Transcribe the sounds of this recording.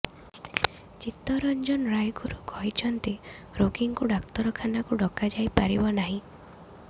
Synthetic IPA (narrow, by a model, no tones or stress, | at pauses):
t͡ʃit̪ɔɾɔnd͡ʒɔnɾajɡuɾukɔɦit͡ʃʰɔnt̪iɾokiŋkuɖakt̪ɔɾɔkʰanakuɖɔkad͡ʒajpaɾibɔnaɦĩ